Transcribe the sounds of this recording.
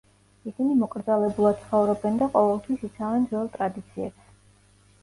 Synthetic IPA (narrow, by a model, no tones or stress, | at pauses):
isinimɔkʼɾd̪zalɛbulˠad̪̥t̪sʰχɔvɾɔbɛnd̪aqʼɔvɛlˠt̪ʰwisit̪sʰavɛnd̪zɔlˠt̪ʼɾad̪it̪sʰiɛps